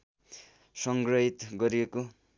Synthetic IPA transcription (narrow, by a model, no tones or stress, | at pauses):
sʌŋɡrʌɦit̪ɡʌɾieko